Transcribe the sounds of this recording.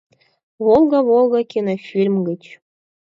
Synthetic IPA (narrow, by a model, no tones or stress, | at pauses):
βolˠɡɑβolˠɡɑkʲinofʲilʲmɡə̆t͡ɕ